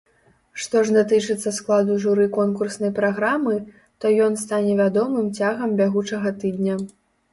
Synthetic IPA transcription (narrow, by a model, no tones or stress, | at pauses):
ʂt̪ɔʐd̪at̪ɨt͡ʂɨt̪sːɐsklˠad̪uʐuɾɨkɔnkursnɐjpɾaɣɾamɨ | t̪ɔjɔnst̪anʲɛvʲad̪ɔmɨmt͡sʲaɣɐmbʲaɣut͡ʂɐɣɐt̪ɨd̪ʲnʲɐ